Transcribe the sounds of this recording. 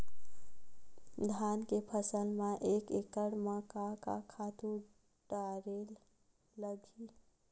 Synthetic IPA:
d̪ʱankepʰəsəlmaʔekekəɽmakaka̰kʰat̪u | ɖaɾelː | əɡʱi

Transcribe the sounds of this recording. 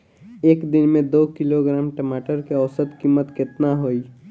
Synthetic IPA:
eːkd̪ɪnmẽd̪oːkɪloɡɾaːmʈəmaːʈəɾkeɔʊsət̪kiːmət̪kɪt̪naɦoi

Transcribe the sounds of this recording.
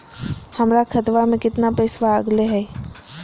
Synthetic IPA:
hɐmɾakʰɐt̪ʋamẽkɪt̪napɛɪsʋaɐɡleɦɛː

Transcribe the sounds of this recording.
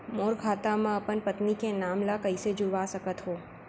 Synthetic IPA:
moːɾkʰaːt̪amãəpənpət̪nikenaːmlakəised͡ʒʊʋasəkət̪ɦoː

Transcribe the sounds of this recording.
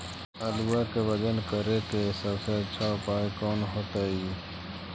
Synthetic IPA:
əluwakebəd̪ənkəɾekesəbset͡ʃʰaːpaːikɔːnɦoːt̪aːiː

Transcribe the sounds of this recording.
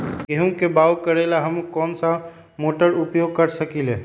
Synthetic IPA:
keɦũkebawkəɾelaɦəmkɔːnsa | moʈəɾupjoɡ̚kəɾsəkile

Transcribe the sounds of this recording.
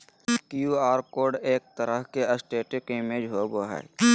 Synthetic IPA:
kjuaːɾkoːɖeːk̚t̪əɾəɦkeəsʈeːʈɪkɪmeːd͡ʒɦoboɦa̰j

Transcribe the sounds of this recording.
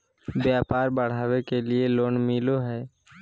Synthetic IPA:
bjaːpaːɾbəɽ̤aːwekelieloːnmiloɦɛː

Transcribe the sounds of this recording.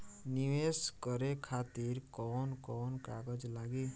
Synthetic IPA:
niʋeskəɾekʰat̪iɾkɔnkɔnkaɡəd͡ʒlaɡi

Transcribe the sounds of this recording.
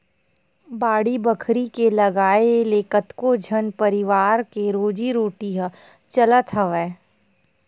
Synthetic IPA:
baːɽibəkʰɾikelɐɡaːeleːkət̪kod͡ʒʱənpəɾɪʋaːɾkeɾoːd͡ʒiɾoːʈiɦə | t͡ʃələt̪ʰəʋɛː

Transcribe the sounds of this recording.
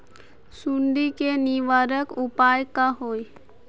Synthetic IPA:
suɳɖikeniʋaːɾəkʊpaːjkaɦoːi

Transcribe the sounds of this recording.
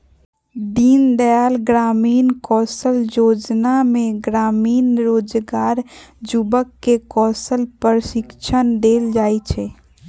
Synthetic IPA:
d̪iːnd̪əjaːlɡɾaːmiːnkɔːsəljoːd͡ʒnamẽɡɾaːmiːnɾoːd͡ʒɡaːɾd͡ʒubəkːekɔːsəlpəɾʃɪkt͡ʃʰənd̪eːld͡ʒaːit͡ʃʰɛ

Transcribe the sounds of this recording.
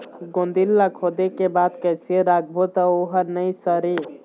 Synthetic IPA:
ɡond̪ilːakʰod̪ekebad̪kəjsieɾak̚bʱot̪ɔoɦənəjsəɾi

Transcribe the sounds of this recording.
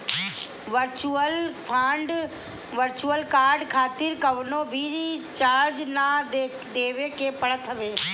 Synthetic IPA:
ʋəɾt͡ʃuəlpʰãːɳɖ | ʋəɾt͡ʃuəlkaːɾɖkʰaːt̪ɪɾkəʋnoːbʱiit͡ʃaːɾd͡ʒnad̪e | d̪eːʋekepəɽət̪ʰəʋeː

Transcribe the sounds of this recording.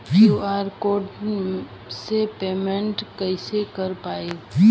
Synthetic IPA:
juaːɾkoːɖ | sepeːmẽɳʈkəɪsekəɾpaːe

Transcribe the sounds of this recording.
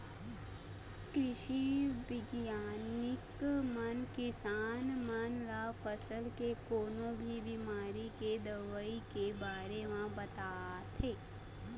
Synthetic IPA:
kɾɪʃibɪɡjaːnɪkmənkɪsaːnmənɾafʰəsəlkekoːnõbʱibɪmaːɾiked̪əʋəikebaːɾemãbɐt̪aːt̪ʰeː

